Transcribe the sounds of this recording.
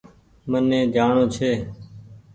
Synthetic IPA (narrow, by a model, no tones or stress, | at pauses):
mənːẽːd͡ʒ̪ʱaːɳõːt͡ʃʰeː